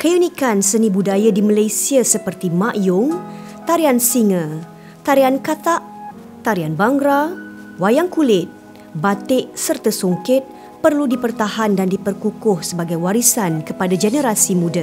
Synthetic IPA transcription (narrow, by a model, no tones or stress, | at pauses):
kəjunikansənĩbudajadimalajsiasəpərt̪imãʔjʊŋ | t̪aɾiansiŋə̃ | t̪aɾiankat̪aʔ | t̪aɾianbaŋɡɾa | wajaŋkulɪt̪̚ | bat̪ɪʔsərt̪asuŋkɪt̪̚ | pərludipərt̪ahandandipərkukʊhsəbaɡajwaɾisankəpadad͡ʒɛnəɾasimũda